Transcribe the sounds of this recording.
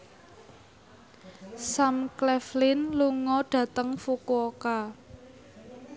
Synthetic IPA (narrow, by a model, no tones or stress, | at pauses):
samklɛflɪnluŋɔɖ̥ä̤t̪əŋfukuoka